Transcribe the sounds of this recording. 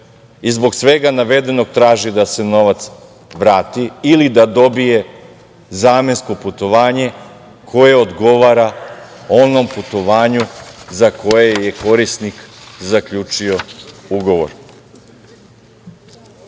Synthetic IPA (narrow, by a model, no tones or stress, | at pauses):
izbo̞ksʋeɡanaʋe̞d̪e̞no̞ɡ̚t̪ɾaːʒid̪ase̞no̞ʋat̪s | ʋɾaːt̪iːlid̪ad̪o̞bije̞ | zaːmensko̞put̪o̞ʋaːɲe̞ | kʰo̞je̞od̪ɡo̞ʋaːɾa | o̞no̞mput̪o̞ʋaːɲuzakʰo̞jeje̞ko̞ɾisnikzakʎuːt͡ʃio̞uɡo̞ʋo̰ɾ